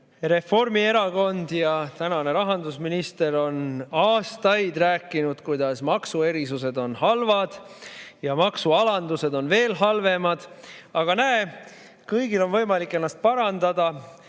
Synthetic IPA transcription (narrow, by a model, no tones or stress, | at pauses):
re̞fo̞rmie̞ɾɑko̞nd̪jɑt̪ænɑne̞ɾɑɦɑnd̪usminist̪e̞ɾo̞nɑːst̪ɑjd̪̥ræːkːˑinud̪̥kujd̪̥ɑsmɑksue̞ɾisuse̞d̪o̞nhɑlvɑd̪̥ | jɑmɑksuɑlɑnd̪̥use̞d̪o̞nve̞ːlɦɑlve̞mɑd̪̥ɑɡ̥ɑnæe | kɤjɡ̥ilo̞nvɤjmɑlikːˑe̞nːɑst̪̚pɑɾɑnd̪̥ɑd̪̥ɑ